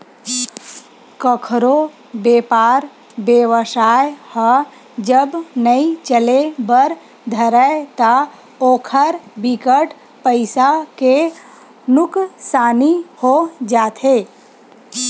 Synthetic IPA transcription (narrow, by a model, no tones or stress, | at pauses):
kəkʰɾo | beːpaːɾ | bjeːʋəʃaːjhə | d͡ʒəbnəit͡ʃəlebəɾ | d̪ʱəɾət̪a | oːkʰəɾbɪkəʈ | pəɪsake | nʊksaːnihod͡ʒaːt̪ʰeː